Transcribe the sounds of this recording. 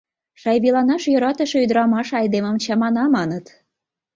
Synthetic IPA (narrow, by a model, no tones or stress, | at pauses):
ʃɑjβilɑnɑʃjø̆ɾɑt̪ə̆ʃeyd̪ɾɑmɑʃɑjd̪eməmt͡ɕɑmɑnɑmɑnət̪